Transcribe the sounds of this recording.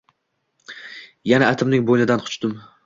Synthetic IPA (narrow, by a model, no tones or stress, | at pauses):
janaːt̪ʰɪmnɪŋbojnɪd̪anqʰʊ̥t͡ʃt̪ʊm